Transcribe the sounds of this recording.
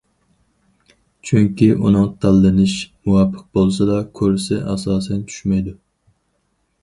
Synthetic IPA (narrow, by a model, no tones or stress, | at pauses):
t͡ʃʰyŋkʲiʔṵnɨŋt̪ʰælˠːɨnɪʃmuwɑpʰːəq̚bolˠsɑd̪ɑkʲʰøɾsɪʔɑsɑːsɛnt͡ʃʰy̥ʃmɛjd̪u